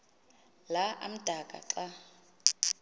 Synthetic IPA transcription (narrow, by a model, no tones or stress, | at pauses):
laʔa̰m̩d̥ʱakʼa̰ǁa